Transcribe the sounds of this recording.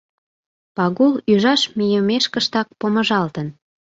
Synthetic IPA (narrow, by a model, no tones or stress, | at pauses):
pɑɣulyʒɑʃmijəmeʃkəʃt̪ɑk̚poməʒɑlt̪ən